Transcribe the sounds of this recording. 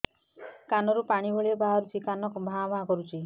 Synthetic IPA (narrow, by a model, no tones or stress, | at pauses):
kanɔɾupaɽ̃ibɔɭebaɦaɾut͡ʃʰikanɔkubʱamakɔɾut͡ʃʰi